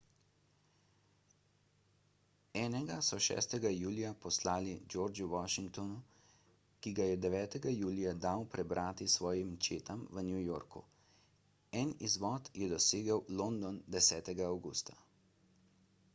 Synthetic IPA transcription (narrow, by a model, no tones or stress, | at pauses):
ɛːnɛɡasɔʃɛ̰ːst̪ɛɡajuːlijapɔslaːlid͡ʒoːɾd͡ʒuwaʃiŋkt̪ɔnu | kiɡajɛd̪ɛʋɛːt̪ɛɡajuːlijad̪awpɾɛbɾʔaːt̪isʋɔːjimt͡ʃeːt̪amʋənjujoːɾkṵ | ɛnizʋɔːt̪jɛd̪ɔseːɡəwlond̪ɔnd̪ɛsɛːt̪ɛɡaːwɡṵːst̪ḁ